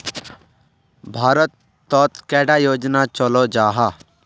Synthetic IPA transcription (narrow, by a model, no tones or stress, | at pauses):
bʱaːɾət̪ː | ɔːt̪kɛːɖajoːd͡ʒnat͡ʃəlod͡ʒaːɦa